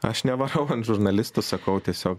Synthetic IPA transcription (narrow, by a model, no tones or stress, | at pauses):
ɐʃnʲɛʋɐɾɐʊɐnt̪ʒʊɾnɐlʲɪst̪ʊsɐkɐʊt̪ʲiɛsʲoːk